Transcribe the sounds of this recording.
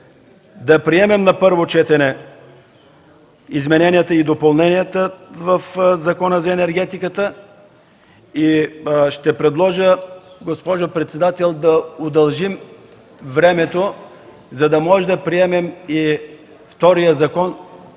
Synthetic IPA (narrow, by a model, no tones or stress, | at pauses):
d̪ɐpɾiɛmɛmnɐpɤɾvot͡ʃɛt̪ɛnɛ | izmɛnɛnijət̪əid̪opɐlˠnɛnijət̪əvɐfzɐkɔnəzɐɛnɛɾɡɛt̪ikət̪ə | iʃt̪ɛpɾɛd̪lˠɔʒəɡospɔʒopɾɛt̪sɛd̪at̪ɛlˠd̪ɐod̪ɐlˠʒim | vɾɛmɛt̪o | zɐd̪ɐmɔʒɛd̪ɐpɾiɛmɛmi | ft̪ɔɾijəzɐkɔn